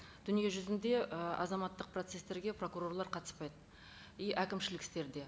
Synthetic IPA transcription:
d̪̥ʏnije̞ʒʏzɪnd̪e̞əʔɑ̰zɑmɑt̪ːəq̚pro̞t̪se̞st̪e̞ɾɡʲe̞pro̞kuɾo̞rlˠɑɾqʰɑt̪ə̥spɑjd̪ə | ijʔækʲɪmʃɪlɪk̪t̪e̞ɾd̪e̞

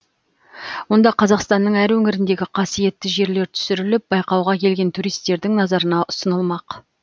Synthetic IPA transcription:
wo̞nd̪ɑqʰɑzɑqst̪ɑnːəɴæɾwɵŋɪɾɪnd̪e̞ɡʲɪqʰɑsije̞t̪ːɪʒe̞ɾle̞ɾt̪ʰʏ̥sɪɾɪlɪp̚bɑjqɑwʁɑkʲʰe̞lɡʲe̞nt̪ʰuɾijst̪e̞ɾd̪ɪŋnɑzɑɾənɑʔʊsənəlˠmɑq

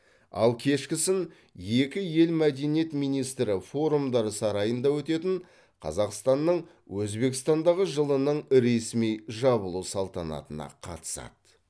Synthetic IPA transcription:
ɑ̰lˠkʲʰe̞ʃkʲɪsɪn | je̞kʲɪje̞lmæd̪e̞nije̞t̪mijnijst̪ɾɪfo̞ɾumd̪ɑɾəsɑɾɑjənd̪ɑwɵt̪e̞t̪ɪɴ | qʰɑ̰zɑqst̪ɑnːəɴ | wɵzbe̞kst̪ɑnd̪ɑʁəʒəlˠənəɴɾe̞smijʒɑbəlˠusɑlˠt̪ɑnɑ̰t̪ənɑ̰qʰɑ̰t̪ə̥sɑ̰d̪̥

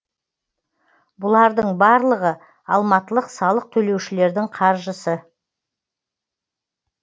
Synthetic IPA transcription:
bʊlˠɑɾd̪əɴbɑɾlˠəʁə | ɑlˠmɑt̪əlˠəqsɑlˠəq̚t̪ʰɵle̞wʃɪle̞ɾd̪ɪŋqʰɑɾʒəsə

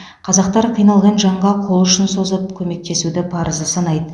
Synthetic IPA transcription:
qʰɑzɑqt̪ɑɾqʰijnɑlˠʁɑnʒɑɴʁɑqʰo̞lˠʏʃɪnso̞zəp̚kʲʰɵme̞k̚t̪e̞sud̪ɪpʰɑɾəzəsɑnɑjd̪ə

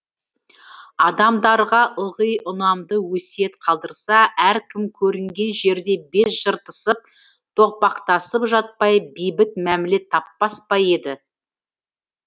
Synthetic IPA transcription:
ɑd̪ɑmd̪ɑɾʁɑʔʊʁəjʔʊnɑmd̪əwɵse̞t̪qʰɑlˠd̪əɾsɑæɾkʲʰɪmkʲʰɵɾɪŋɡʲe̞nʒe̞ɾd̪e̞be̞sʒ̥əɾt̪əsəp̚t̪ʰo̞q̚pɑqt̪ɑsəpʒɑt̪̚pɑjbijbɪt̪mæmɪle̞t̪ʰːɑpːɑspɑje̞d̪ɪ

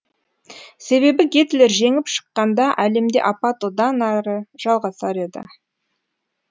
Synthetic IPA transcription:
se̞βe̞bɪɡʲe̞t̪ɪle̞ɾʒe̞ŋɪpʃə̥qːɑnd̪ɑʔæle̞md̪e̞ʔɑpɑt̪od̪ɑnɑɾəʒ̥ɑlˠʁɑsɑɾe̞d̪ɪ̰

